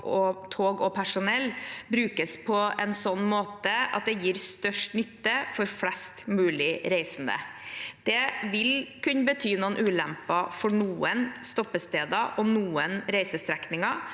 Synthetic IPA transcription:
ɔt̪ʰoːɡɔpʰæʂʊnɛlːbɾʉːkəspʰɔɛnsɔnːmoːt̪əɑ̰t̪̚d̪ɛjiːɾst̪œʂʈnʏt̪ːəfɔɾflɛst̪mʉːlɪɾeɪsnd̪ə̰d̪̥ɛʋɪlkʰʉnːəbət̪ʰyːnuːənʔʉːlɛmpɑfɔɳuːənst̪ɔpːəst̪eːd̪ɑʔɔnuːənɾæɪsəst̪ʰɾɛknɪŋɑ

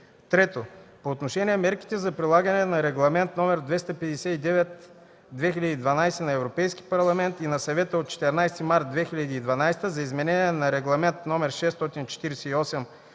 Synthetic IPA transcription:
t̪ɾɛt̪opoːt̪noʃɛnʲiɛmɛɾki̥t̪ɛzɐpɾilˠaɡɐnɛnɐɾɛɡlˠɐmɛnt̪nɔmɛɾd̪vɛst̪ɐpɛd̪ɛsɛid̪ɛvɛt̪ | d̪vɛxilʲɐd̪iːd̪vɐnajsɛnɐɛvɾopɛjski̥pɐɾlˠɐmɛnt̪inɐsɐvɛt̪əot̪̚t͡ʃɛ̥t̪ɛɾnajst̪imaɾt̪̚d̪vɛxiʎʲɐd̪iːd̪vɐnajst̪əzɐizmɛnɛniɛnɐɾɛɡlˠɐmɛnt̪nɔmɛɾʃɛst̪ɔt̪int͡ʃɛ̥t̪iɾɛsɛiɔsɛm

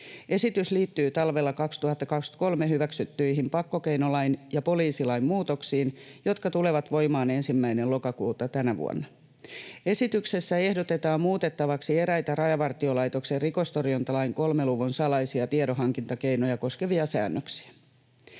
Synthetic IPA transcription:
e̞sit̪ysliːt̪ːyːt̪ɑlʋelːɑkɑkst̪uhɑt̪ːɑkɑksko̞lmeɦyʋæksyt̪ːyiɦimpɑkːo̞kejnolɑinjɑpo̞liːsilɑimmuːt̪oksiːnjo̞t̪kɑt̪uleʋɑt̪ʋo̞imɑːne̞nsimːæinelo̞kɑkuːt̪ɑt̪ænæʋṵo̰nːɑ | e̞sit̪ykse̞sːæe̞hdot̪e̞t̪ɑːmmuːt̪et̪ːɑʋɑksie̞ɾæjt̪ærɑjɑʋɑrt̪io̞lɑjt̪o̞kserriko̞st̪orjont̪ɑlɑiŋko̞lmeluʋunsɑlɑisiɑt̪iedoɦɑŋkint̪ɑkejno̞jɑko̞skeʋiɑsæ̰ːnːøksi̥æ

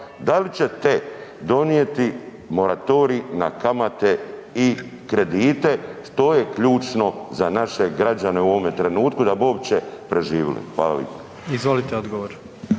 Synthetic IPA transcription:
d̪alit͡ɕe̞t̪ed̪o̞nije̞t̪i | mo̞ɾat̪o̞ːɾiina̰kamat̪e̞ikɾe̞d̪iːt̪e̞ʃt̪o̞jekʎuːt͡ʃno̞zanaʃe̞ɡɾad͡ʒane̞uoʋomet̪ɾe̞nuːt̪kud̪abio̞pt͡ɕepɾe̞ʒiːʋḭlḭxʋa̰ːla̰lḭpo̥ | izʋolit̪eod̪ɡoʋoɾ

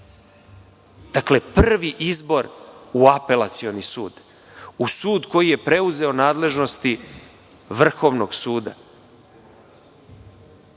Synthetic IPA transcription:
d̪̥akle̞pr̩ʋiʔizbo̞ɾuape̞lat̪sio̞nisuːd̪ | usuːd̪ko̞jije̞pɾe̞uze̞o̞naːd̪le̞ʒno̞st̪i | ʋr̩xo̞ʋno̞ɡsuːd̪a̰

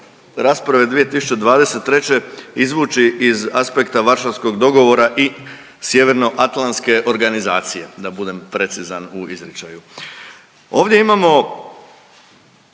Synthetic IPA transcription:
ɾaːspɾaʋe̞d̪ʋije̞t̪isu̥t͡ʃed̪ʋaːd̪e̞set̪ːɾe̞t͡ɕe̞izʋuːt͡ʃiʔizaspe̞kt̪aʋaɾʃaʋsko̞ɡd̪o̞ɡo̞ʋo̞ɾaʔi | sje̞ʋeɾno̞ʔat̪lanske̞ʔo̞ɾɡanizaːt̪sije̞d̪abud̪e̞mpɾe̞t̪sizanuizɾit͡ʃaju | o̞ːʋd̪je̞imamo̞

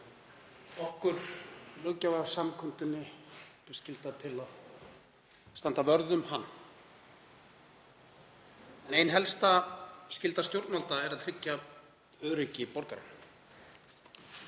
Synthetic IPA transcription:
ɔhkʏɾ̥lœːcavaɣvsamkʰʏnt̪ʏnːɪpɪ̥scɪlt̪at̪ʰɪlað | st̪ant̪avœɾðʏmhanː | ɛnejnɦɛlst̪ascɪlt̪ast̪jowɾt̪malt̪aɛɾaðt̪ʰɾɪcːa | œːɾɪcɪpɔwɾkaɾɛ̰n

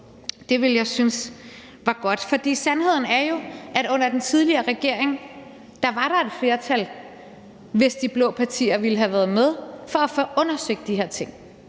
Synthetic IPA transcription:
d̥e̝ʋe̝ljɑ̈ɪsyns | ʋɑ̈ɡ̥ɒ̽d̥fɒ̽d̥ḭːsænhe̝ð̰ˠn̩æɐjo̝ʔæɾ̥ɔ̽n̰ɐd̥ent͡sʰið̞ˠliɐːʁɛɡ̥e̝ɐ̰eŋ | d̥ɑ̈ʋɑ̈ɾ̥ɑ̈e̝d̥fle̝ːɐt͡sʰæl | ʋe̝sd̥ib̥lɔ̽ːpʰɑ̈t͡sʰḭːɐʋiləɦæʋæːɐːð̩ˠmeð̞ˠfɒ̽æfɔʔɔ̽nɐsøɡ̥̚d̥iɦe̝ɐt͡sʰe̝ŋ̰

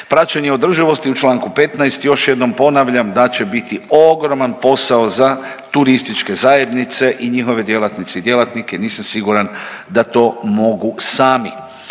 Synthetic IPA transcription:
pɾat͡ɕaɲeo̞d̪r̩ʒiʋo̞st̪iut͡ʃlˠaːŋkupe̞t̪naest̪jo̞ʃje̞d̪no̞mpo̞naʋʎamd̪at͡ɕe̞bit̪io̞ɡɾo̞manpo̞saoza | t̪uɾist̪it͡ʃke̞zaje̞d̪nit̪se̞ʔiɲixo̞ʋe̞d̪je̞lat̪nit̪seid̪je̞lˠat̪nikeniːsamsiɡuɾand̪at̪o̞ːmo̞ɡusaːmi

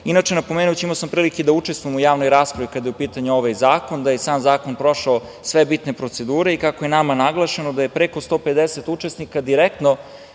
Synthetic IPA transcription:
inat͡ʂenapomeːnujt͡ɕiimaosampɾiːliked̪aut͡ʂest̪vujemujaːʋnojɾaːspɾaʋikad̪ajeupiːt̪aɲuoʋajzaːko̞nd̪ajesaːmzaːko̞npɾo̞ʃao | sʋebit̪ne̞pɾo̞t̪se̞d̪uːɾe̞ikakojenamanaɡlˠaʃe̞nod̪ajepɾeko̞st̪o̞ped̪eset̪ut͡ʂesnikad̪iɾek̚t̪no̞

